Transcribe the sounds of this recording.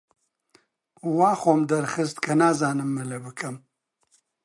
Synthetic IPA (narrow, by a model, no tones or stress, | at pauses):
wɑːxomd̪ɐɾxəst̪kʰɐnaːzɑːnɨmːɐlɐbɨkʰɐm